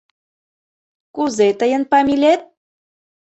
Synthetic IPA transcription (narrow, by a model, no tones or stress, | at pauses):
kuzet̪əjənpɑmʲilʲet̪̚